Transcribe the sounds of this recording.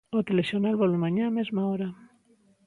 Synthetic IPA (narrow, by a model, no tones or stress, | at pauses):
ot̪elesjonalβolemaɲaːmezmaoɾa